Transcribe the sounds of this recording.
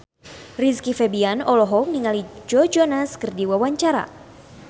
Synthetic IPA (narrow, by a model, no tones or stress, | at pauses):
riskifɛbianɔlɔɦɔk̚niŋalid͡ʒɔd͡ʒɔnaskɨrdiwawaɲt͡ʃaɾa̰